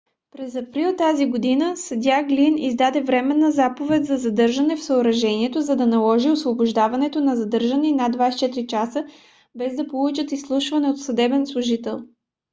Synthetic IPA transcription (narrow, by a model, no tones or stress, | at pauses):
pɾɛzɐpɾilˠt̪aziɡod̪inəsɐd̪ʲaɡlinizd̪ad̪ɛvɾɛmɛnːəzapovɛt̪ʲzɐzɐd̪ɤɾʒɐnɛfsəoɾɐʒɛniɛt̪ozɐd̪ɐnɐlˠɔʒiosvobʊʒd̪avɐnɛt̪onɐzɐd̪ɤɾʒəninad̪vast͡ʃɛt̪ɾit͡ʃasə | bɛzd̪ɐpolˠut͡ʃət̪islˠuʃvɐnɛot̪sɐd̪ɛbɛnslˠʊʒit̪ɛlˠ